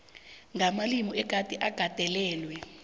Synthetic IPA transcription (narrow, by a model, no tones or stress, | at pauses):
ŋamalimɔɛk̬ʼatʼiʔaɡ̥ʱad̥ʱɛlɛːlwɛ